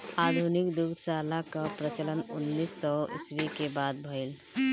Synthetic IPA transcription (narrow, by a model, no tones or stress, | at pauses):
ad̪ʱunikd̪uɡ̪ʰsaːlakapɾət͡ʃələnʊnːiːsːɔɪ̰swikebaːd̪̚bʱəil